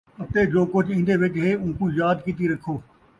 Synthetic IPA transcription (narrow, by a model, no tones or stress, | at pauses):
ət̪eːd͡ʒoːkʊt͡ʃʰĩːnd̪eːʋɪt͡ʃɦeːũːkuːjaːd̪kiːt̪iɾəkʰːoː